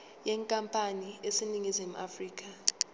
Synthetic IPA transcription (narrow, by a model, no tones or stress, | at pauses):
jɛːŋkʼampʼaniesiniŋizimuʔafriːk̬ʼa